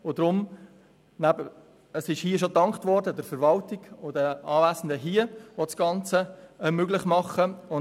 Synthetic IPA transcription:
ʊdɾʊm | næbə | əsɪʃhiːəʃ̬otɑŋkχtvɔrdədəɾfəɾvɑltɪɡ̥ʊdəɑːvæːzən̩dəɦiəʋɔsɡ̥ɑnt͡səmøɡlɪχmɑχəʊ

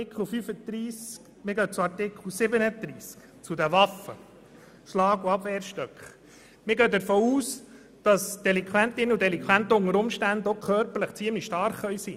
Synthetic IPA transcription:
ɪkʰl̩ˠfyfəd̪̥ɾiːsk | mɪɡœːt͡suɑɾtɪkχl̩ˠsɪbənəd̪ɾiːsk | t͡sudəʋɑfə̰ | ʃlɑːɡuɑbʋɛːɾʃtøkχ | mɪɾɡœd̪əɾfoːuːs | d̥ɑsd̥ɛlɪŋkʰwæntɪnudɛlɪŋkʰwænt̪əʊŋəɾʊmʃtænd̪okʰœɾpəɾləχt͡siəmliʃtɑɾχœʏsi

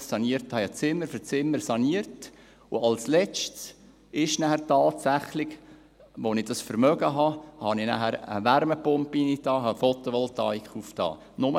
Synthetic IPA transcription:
sɑniəɾthɑjɑt͡sɪmːəɾfət͡sɪmːəɾsɑniəɾt | ʊɑlslɛt͡ʃts | ɪʃnæhæɾtɑːtsæχlɪɡ̥ | ʋonɪd̥ɑsfəɾmœɡəɦɑhɑninæ̰hæɾə̰ʋæɾməpʊmpinitɑːɦɑfot̪oʋɔltɑikχuftɑ̰ː | nʊmə

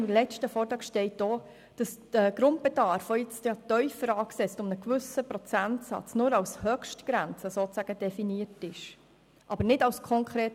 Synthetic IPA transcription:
lɛt͡ʃtəfɔːɾtɑːkʃtɛɪt̚doː | d̥ɑsd̥əɡ̥ɾʊnt̚b̥ɛdɑːɾfɔjɪt͡stjɑːtœʏfəɾɑːksɛt͡stʊmnəkʋʏsəpɾɔt͡sæntsɑ̰t͡snʊːɾɑwshœkʃtɡ̥ɾænt͡səsoːt͡sæɡ̥əd̥ɛfiniəɾtɪʃ | ʔɑbəɾnɪdɑwskʰɔŋkʰɾeːt

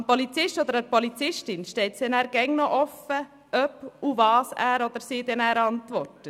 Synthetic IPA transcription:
npɔlit͡sɪʃtɔd̪əɾəɾpɔlit͡sɪʃtɪnʃtɛɪt̪sɛnæːɾɡ̥ɛŋnɔʔɔfːə | œpuvɑːsæːɾɔd̪əɾsiːd̪ɛnæːɾɑntʋɔrtə

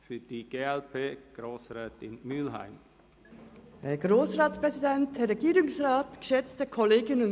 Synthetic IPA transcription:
fyːd̥iɡ̥eːɛlpʰeːɡ̥ɾoːsɾɛːtɪnmylɦa̰ɪm | heɡ̥ʁoːsʁɑːtspʁɛzidɛnteɾɛɡiːɾʊŋsrɑːtɡ̥ə̥ʃɛt͡stəkʰɔleːɡɪnə

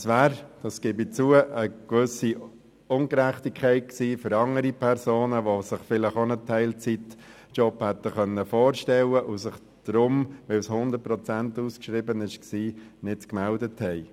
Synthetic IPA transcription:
sʋæːɾd̥ɑskɪbit͡suəʔəkʋʏsi | ʊŋɡɾæχtikʰχɛɪt̚ksiːføɾɑŋəɾipʰɛɾsoːnəʋosɪχfɪlɪχonətʰɛɪlt͡sit | t͡ʃɔphɛt̪ːəχœnːəfoːɾʃtɛləʔʊsɪχ | d̥ɾʊmʋɪlshʊnd̪əɾt̚pɾɔt͡sæntuːskʃɾɪbənɪʃksiːnɪtkmældəthɛɪ

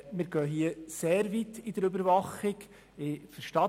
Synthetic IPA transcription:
mɪːɾɡ̥œːɦiəseːɾʋit̪id̥̪əɾøbəɾʋɑχɪk | ɪfəɾʃtɑ

